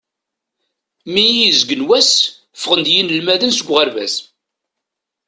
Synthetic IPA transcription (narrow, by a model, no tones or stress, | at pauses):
miizɡənwæs | fʁənd̪jinəlmæðənsəɡʷʁəɾvæ̰s